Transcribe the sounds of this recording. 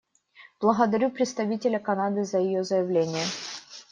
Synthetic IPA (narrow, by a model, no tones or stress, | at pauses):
b̥lˠəɣəd̪ɐɾʲupɾʲɪt̪st̪ɐvʲitʲɪlʲəkɐnad̪ɨzəjɪjozəjɪvlʲenʲɪjə